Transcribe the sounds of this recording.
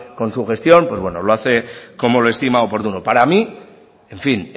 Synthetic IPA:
ko̞nsuxe̞st̪jo̞mpwe̞zβwenolo̞aθe̞ko̞mo̞loest̪imaopo̞ɾðunopaɾami | e̞ɱfin

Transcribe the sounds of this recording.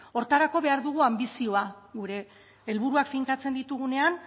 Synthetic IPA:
o̞ɾt̪aɾako̞βe̞aɾðuɣ̞uambisio̞aɣuɾe̞ː | lβ̞uɾuakfiŋkat͡se̞nd̪it̪uɣune̞an

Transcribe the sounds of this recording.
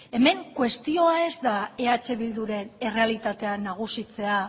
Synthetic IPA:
e̞me̞ŋkwe̞st̪io̞ae̞zd̪ae̞at͡ʃe̞βild̪uɾe̞ne̞re̞alit̪at̪e̞anaɣ̞usit͡se̞a

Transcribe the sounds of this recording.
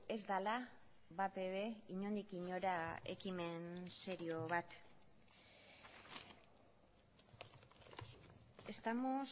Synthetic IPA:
e̞zd̪ala | βapeβe̞iɲo̞nd̪ikiɲo̞ɾae̞̰kime̞nse̞ɾio̞βat̪ | e̞st̪amo̞s

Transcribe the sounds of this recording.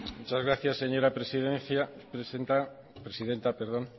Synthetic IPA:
mmut͡ʃazɣɾaθjasːeɲo̞ɾapɾesiðenθjapɾesent̪a | pɾesiðe̞nt̪apeɾðõ̞n

